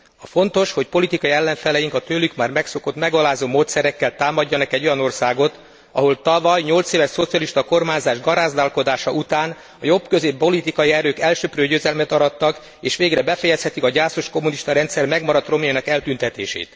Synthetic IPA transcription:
ɒfo̞nt̪oʃho̞c̚po̞lit̪ikɒiɛlːɛɱfɛlɛjiŋkɒt̪øːlykmaːrmɛkso̞ko̞t̪mɛɡɒlaːzoːmoːt̪sɛɾɛkːɛlt̪aːmɒɟːɒnɒkɛɟːo̞jɒno̞rsaːɡot̪ | ɒɦo̞lt̪ɒvɒjɲo̞lt̪seːvɛʃso̞t̪sijɒliʃt̪ɒko̞rmaːɲzaːʒɡɒɾaːzd̪aːlko̞d̪aːʃɒʔut̪aːn | ɒjo̞bkø̞zeːppo̞lit̪ikɒjiɛɾøːkɛlʃøprøːɟøːzɛlmɛt̪ɒɾɒt̪ːɒk | eːʃʋeːɡrɛbɛfɛjɛshɛt̪ikɒɟaːso̞ʃko̞muniʃt̪ɒɾɛnt̪sɛrmɛɡmɒɾɒt̪ro̞meːnɒkɛlt̪ynt̪ɛt̪ḛːʃḛːt̪

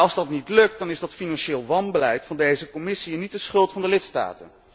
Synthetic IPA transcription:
ɑlˠzdɑtnitlɵk̚tdɑnɪzdɑtfinɑnʃɪːlˠʋɑnbəlɛjtfɑndejzəkɔmɪsiɛnːit̚dəsχɵlˠtfɑndəlɪtsta̰ːtə̰n

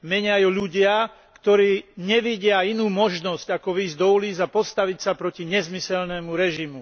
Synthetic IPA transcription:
mɛɲɪajuʎuɟɪa | kt̪ɔɾiːɲɛʋiɟɪainuːmɔʒnɔzcakɔʋiːzd̪ɔuliːzapɔst̪aʋicsapɾɔciɲɛzmisɛlnɛːmuɾɛʒimu

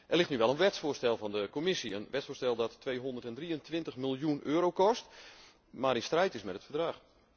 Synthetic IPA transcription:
ʔɛrlɪxtnyʋɛlˠənʋɛtsfʊːstɛlˠvɔndəkomɪsiənʋɛtsfoːstɛlˠdɔtʰːʋejɦondərtɛndriəntʋɪntəχmɪlˠjunʔøːɾowkɔst | maːɾɪnstrɛjtɪsmɛtətfərdraːx

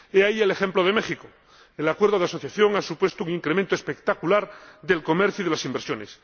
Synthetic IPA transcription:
eaielexẽ̞mploð̞e̞mexiko | elakweɾð̞o̞ð̞easo̞θjaθjo̞ŋasupwe̞st̪ouŋĩŋkɾemẽnt̪oespekt̪akulaɾðe̞lko̞me̞ɾθjoiðelasimbeɾsjo̞nes

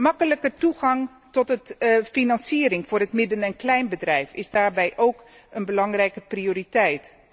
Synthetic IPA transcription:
mɑkələkətuɣɑŋ | tɔtəfinɑnsiːəɾɪŋfʊːrɦətmɪdənɛnklɛjnbədrɛjfɪzdaːɹbɛjʔowk | ənbəlɑŋrɛjkəprioːritɛjt

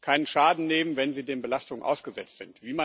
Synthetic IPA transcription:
kʰaɪnənʃaːdn̩neːmənvɛnziːdeːnbəlastʊŋənʔa̰ʊsɡ̥əzɛt͡stz̥ɪntv̥iːma

